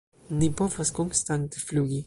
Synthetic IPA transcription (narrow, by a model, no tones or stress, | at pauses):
nipɔvaskonst̪ant̪efluːɡi